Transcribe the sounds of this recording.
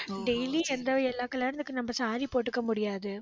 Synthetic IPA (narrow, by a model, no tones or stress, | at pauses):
ɖɛjliɛnd̪ɐɛlːaːkːɐɭlːaːɪɾɐnd̪ɯkːɯnɐmːɐsaːɾipoːʈːɯkːɐmʊɽɪjaːðɯ